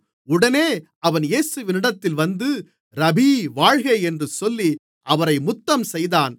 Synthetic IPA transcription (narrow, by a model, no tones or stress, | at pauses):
ʊɽɐneːʔɐʋɐnjeːsɯʋɪnɪɽɐt̪ːɪlʋɐnd̪ɯ | ɾɐbiʋaːɻɣɐɪɛndrɯsɔlːi | ʔɐʋɐɾɐɪmʊt̪ːɐmsɛjðaːn